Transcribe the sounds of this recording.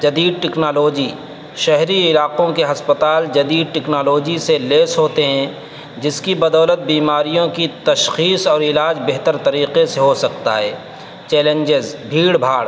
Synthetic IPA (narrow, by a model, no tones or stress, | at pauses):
d͡ʒɐd̪iːd̪̚ʈɛːknaːloːd͡ʒiː | ʃɛɦɾiɪlaːqõkeɦɐspət̪aːld͡ʒɐd̪iːd̪̚ʈɛːknaːloːd͡ʒiseleːsɦoːt̪eɦɛ̃ | d͡ʒɪskibɐd̪ɔːlət̪̚biːmaːɾijõkit̪ɐʃxiːsɔːɾɪlaːd͡ʒbeɦt̪əɾt̪ɐɾiːqeseɦosɐk̚t̪a̰ɦɛː | t͡ʃɛːlẽɲd͡ʒɪzbʱiːɽbʱaːɽ